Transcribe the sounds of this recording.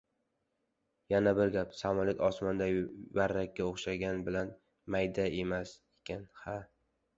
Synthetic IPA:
janabɪɾɡʲapsamɒlɪt̪ɒsmand̪avaɾːakʲːaoχʃaɡʲanbɪlan | majd̪ae̞masekʲʰanha

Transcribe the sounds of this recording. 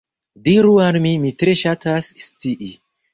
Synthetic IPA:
diɾuanmimitɾeʃatʰasstiʔi

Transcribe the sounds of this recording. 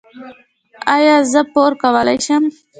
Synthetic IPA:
ajɑːzəpoɾkawəlajʃəm

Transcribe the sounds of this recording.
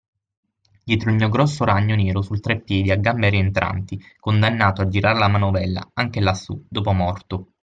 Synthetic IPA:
d̪jɛːt̪ɾoilmiːoɡɾɔsːoɾaɲːoneːɾosult̪ɾepːjɛːd̪iaɡːambeaɾient̪ɾa̰nt̪ikond̪anːaːt̪oad͡ʒːiɾaːɾelamanovɛlːa̰aŋk̟elasːṵd̪oːpʊmɔrt̪o

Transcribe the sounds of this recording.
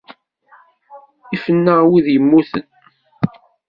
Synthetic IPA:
ifənːəʁwiðjəmːuθə̰n

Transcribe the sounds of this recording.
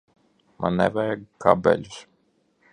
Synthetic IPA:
ma̰nːɛ̰vɛjɛkabɛ̰lʲus

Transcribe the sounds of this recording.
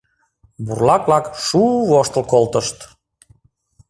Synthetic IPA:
burlɑklɑkʃuβoʃt̪əlˠkolˠt̪əʃt̪

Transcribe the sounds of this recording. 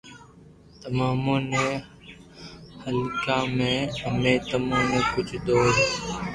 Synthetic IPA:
t̪əmaːmõːnẽː | həlkãːmẽːəmẽːt̪əmaõːmẽːkʊd͡ʒd̪oːɾ

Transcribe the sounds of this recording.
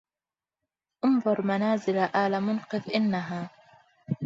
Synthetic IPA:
ʔʊnðˤʊɾˤmanaːzɪlaʔaːlamʊnqɨðʔɪnːaɦaː

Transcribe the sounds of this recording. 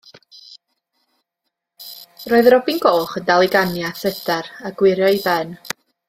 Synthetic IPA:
roːɨðrɔbinɡoːχəndalˠiɡanjaθədaɾaɡwɪɾjɔibɛn

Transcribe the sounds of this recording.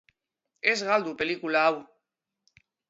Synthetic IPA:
ezɣald̪upelikulaaw

